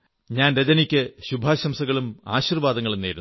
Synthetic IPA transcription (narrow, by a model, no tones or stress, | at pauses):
ɲaːnɾed͡ʑɐnikʲːɨɕubʱaːɕɐmsɐɣɐɭuma̰ːɕirʋaːd̪ɐŋːɐɭenːijɾu